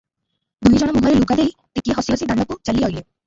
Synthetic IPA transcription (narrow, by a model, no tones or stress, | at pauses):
d̪ujd͡ʒɔɽ̃ɔmuɦɔɾeluɡad̪ejt̪ikiɦɔsiɔsid̪aɳɖɔkut͡ʃaliɦɔjle